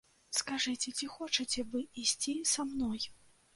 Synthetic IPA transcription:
skaʐɨt͡sʲɛt͡sʲixɔt͡ʂɐt͡sʲɛvɨisʲt͡sʲisamnɔj

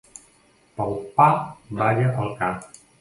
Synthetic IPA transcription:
palˠpabaʒəʔəlˠka

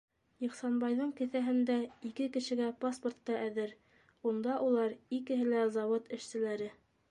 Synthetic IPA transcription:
jŏχsɑnbɑjðɤɴkɘ̆θæɦɘ̆nd̪æikɘkɘ̆ʃɘ̆ɡæpaspŏrt̪ːɑʔæðɘɾ | und̪ɑʔulˠɑɾikɘ̆ɦɘlæzɑwɤt̪ɘ̆ʃsɘ̆læɾɘ

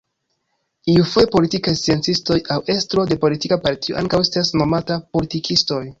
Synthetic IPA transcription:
iufojepo̞litikajst͡sie̞nt͡sisto̞jawe̞stɾo̞de̞po̞litikapaɾtio̰a̰ŋkawestasno̞matapo̞litikʰisto̞j

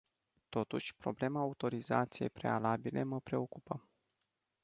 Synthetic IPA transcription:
t̪o̞t̪uʃʲpɾo̞ble̞maːut̪o̞ɾiza̰t̪sijejpɾe̞̰alabilʔe̞məpɾe̞o̞kupəm

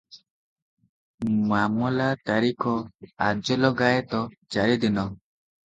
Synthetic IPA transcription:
mamɔlat̪aɾikʰɔad͡ʒɔlɔɡajt̪ɔt͡ʃaɾid̪inɔ

